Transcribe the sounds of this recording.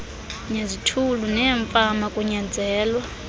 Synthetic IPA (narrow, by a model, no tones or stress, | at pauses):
ɲezitʰulunɛːɱfʼamakʼuɲand͡zʱɛːlwa